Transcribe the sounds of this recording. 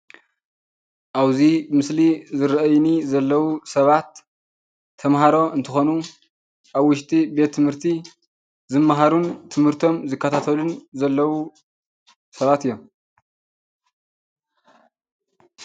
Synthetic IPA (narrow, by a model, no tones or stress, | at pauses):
ʔaβzibɨmɨslizɨɾʔɐjnizɐlːɐwusɐβat̪ʰː | ɐmɦaɾo̞ʔɨnt̪ʰɨxo̞nu | ʔaβwʊʃt̪ʼibe̞t̪ʰːɨmhɨɾt̪ʰi | zɨmːaɦaɾunt̪ʰɨmhɨɾt̪ʰo̞mzɨkːɐt̪ʰat̪ʰɐlunzɐlːɐwu | sɐβat̪ɨjːom